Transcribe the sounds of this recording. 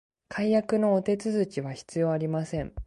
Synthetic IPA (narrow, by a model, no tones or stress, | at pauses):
kʰaijakɯ̟no̞ːt̪e̞t͡sɨzɨt͡ɕiβaçi̥t͡sɨjo̞ːaɾʲimasẽ̞ŋ